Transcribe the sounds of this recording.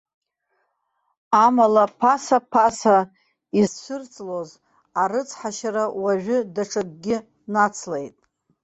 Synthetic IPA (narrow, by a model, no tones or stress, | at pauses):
amalapʰasapʰasa | isʷɨrt͡sʼloz | aɾɨt͡sʰħaʃaɾawaʒʷᶣʏdaʈ͡ʂʰakʼɡʲɪ | nat͡sʰlejtʼ